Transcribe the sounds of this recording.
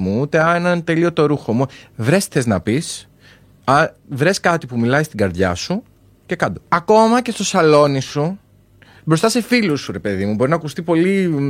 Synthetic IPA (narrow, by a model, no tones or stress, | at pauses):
muut̪e̞ɐenɐnt̪e̞lio̞t̪o̞ɾuxo̞muvɾe̞sθeznɐpis | ɐvɾe̞skɐt̪ipumilɐjst̪iɡɐɾðʝɐ̰su | ce̞kɐd̪oɐko̞mɐce̞st̪o̞sɐlo̞nisu | bɾo̞st̪ɐse̞filusuɾe̞pe̞ðimubo̞ɾinɐkust̪ipo̞li